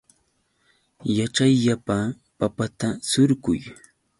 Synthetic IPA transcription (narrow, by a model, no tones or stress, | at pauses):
jat͡ʃajʎapa | papat̪asʊɾɢʊ̰j